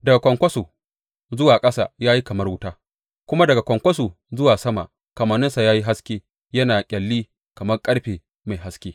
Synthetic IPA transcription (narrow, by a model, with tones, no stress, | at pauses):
dɐ˨ɡa˨kʷɐ˨ŋkʷɐ˦su˨ | zʊ˦waː˨kʼɐ˦sa̰˨jaː˦ji˦kɐ˨mɐ˦rwʊ˦taː˦ | kʷʊ˦ma˦dɐ˨ɡa˨kʷɐ˨ŋkʷɐ˦s̬u˨ | zʊ˦waː˨sɐ˦ma̰˨ | kɐ˨maː˨nɪ˦nsa˨jaː˦ji˦ɦa˦skʲeː˦ | jɐ˦naː˨kʲʼɐ˨lːiː˦ | kɐ˨mɐ˦rkʼɐ˦ɽɸeː˨ | ma˨jɦa˦skʲeː˦